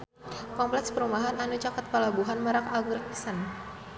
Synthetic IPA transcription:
kɔmplɛkspəɾumaɦananut͡ʃakat̪̚pəlabuɦanməɾakalɡɾɛk̚pisan

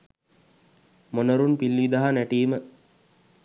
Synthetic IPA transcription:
monəɾunpilːiʋid̪aɦanæʈiːmə

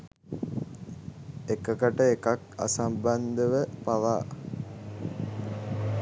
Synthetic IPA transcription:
ekəkəʈəekaka̰samband̪əʋəpaʋaː

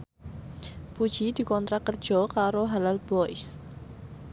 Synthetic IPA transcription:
pud̥d͡ʒ̥id̪̥i̤kɔnt̪ɾakər̥d͡ʒ̥ɔkaɾoɦalalb̥ɔjs

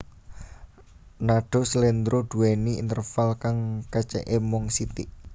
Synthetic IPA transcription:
naɖ̥o̤slend̪ɾoɖ̪̥ṳwɛniḭnt̪ərfalkaŋkət͡ʃɛ̰ʔemɔŋsit̪iʔ

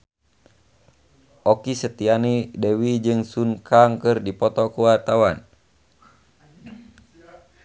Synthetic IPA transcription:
ʔɔkisət̪ianidɛwid͡ʒɨŋsunkʰaŋkɨrdipɔt̪ɔkuwart̪awan

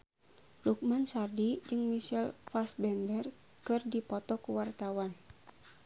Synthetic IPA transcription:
luk̚mansardid͡ʒɨŋmiʃɛlfasbɛndər | kɨrdipɔt̪ɔkuwart̪awan

